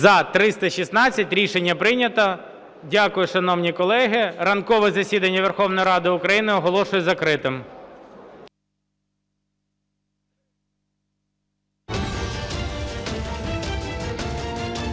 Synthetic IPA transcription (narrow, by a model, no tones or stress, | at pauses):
zɐt̪ɾɪst̪ɐʃʲisnɑt͡sʲːɐtʲɾʲiʃenʲːɐpɾɪnʲɐt̪ɐ | dʲakʊjʊʃɐnɔwnʲikɔlˠɛɦɪɾɐnkɔʋɛzɐsʲid̪ɐnʲːɐʋerxɔwnɔjiɾɑd̪ɪʊkɾɐjinɪɔɦɔlˠɔʃʊjʊzɐkɾɪt̪ɪm